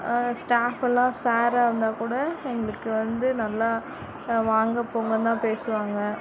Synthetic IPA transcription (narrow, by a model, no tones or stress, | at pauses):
sʈaːfɛlːãːsaːɾaːɪɾɯnd̪aːkuːɽɐɛŋɡɐɭɯkːɯʋɐnd̪ɯnɐlːaː | ʋaːŋɡɐpːoːŋɡɐt̪ãːpeːsɯʋaːŋɡɐ